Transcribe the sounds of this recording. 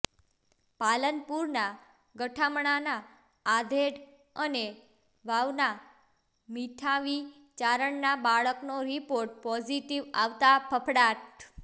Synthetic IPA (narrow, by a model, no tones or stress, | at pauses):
palənpuɾna | ɡəʈʰamɳanaː | d̪ʱeɽ | əne | ʋaʋna | miʈʰaʋi | t͡ʃaɾəɳnabaɭəknoɾipoɾʈ̚pɔd͡ʒiʈiʋaʋt̪apʰəpʰɽaʈ